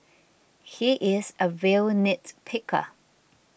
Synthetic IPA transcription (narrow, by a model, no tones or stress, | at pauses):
hiʔɪzəvɛlnɪtpʰɪkʰə̰